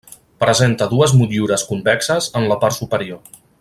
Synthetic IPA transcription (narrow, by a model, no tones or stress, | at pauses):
pɾəzent̪əðuəzmut̪uɾəskumbɛksəzənləpaɾt̪supəɾio